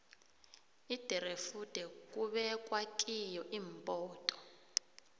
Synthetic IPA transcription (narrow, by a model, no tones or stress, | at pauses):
id̥ʱɛrefud̥ʱɛk̬ʼuɓɛk̬ʼwakʼijɔʔiːmbʼɔːtʼɔ̥